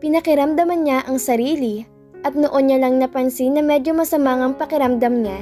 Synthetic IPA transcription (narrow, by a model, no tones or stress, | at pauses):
pɪnɐkɪɾɐmd̪ɐmɐnɲaʔɐŋsɐɾiːli | ʔɐt̪̚noʔonɲɐlɐŋnɐpɐnsinːɐmɛd̪omɐsɐmaŋɐŋpɐkɪɾɐmd̪ɐmɲa